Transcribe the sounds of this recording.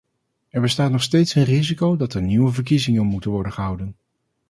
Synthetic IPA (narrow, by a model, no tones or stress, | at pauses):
ɛɹbəstaːtnɔχstejtsənrizikowdɑtɛɹniʋəvəɹk̬izɪŋənmutənʋɔɹdənχəɦʌwdən